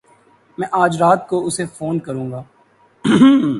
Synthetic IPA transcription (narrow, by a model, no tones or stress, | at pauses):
mɛ̃ːʔaːd͡ʒɾaːt̪̚koʊsefoːnkɐɾũːŋɡaː